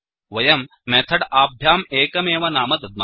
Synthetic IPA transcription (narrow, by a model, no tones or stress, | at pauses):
ʋɐjɐmːeːt̪ʰɐɽaːbʱjaːmeːkɐmeːʋɐnaːmɐt̪ɐd̪̚ma